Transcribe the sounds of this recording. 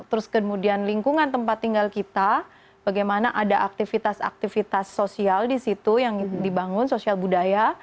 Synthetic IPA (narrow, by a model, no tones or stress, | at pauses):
t̪əɾʊskəmudianliŋkuŋant̪əmpat̪ːiŋɡalkit̪a | b̥aɡajmanaʔadaʔak̚t̪ifit̪asa̰k̚t̪ifit̪asːosialdisit̪ujaŋdibaŋʊnsosialbudaja